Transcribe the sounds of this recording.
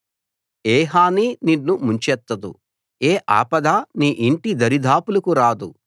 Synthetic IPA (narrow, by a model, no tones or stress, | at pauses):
eːɦaːnininːumuɲt͡ʃɛt̪ːɐd̪ṵ | eːʔa̰ːpɐd̪aːniːʔiɳʈid̪ɐɾid̪ʱaːpulɐkuɾaːd̪u